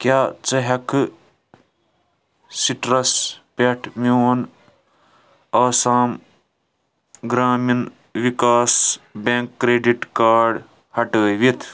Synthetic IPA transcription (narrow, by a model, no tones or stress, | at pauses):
kjaːt͡sɐɦɐkʰɨ | siʈɾɐspeʈʰmion | aːsaːm | ɡɾaːmin | ʋikaːsbeŋkːɾeːɖiʈkaːɖ | hɐʈəːʋit̪ʰ